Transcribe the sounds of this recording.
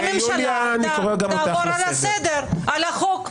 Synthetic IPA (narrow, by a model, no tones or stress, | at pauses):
imʃanikoʁeɡamtavoɾalsed̪eɾalaχok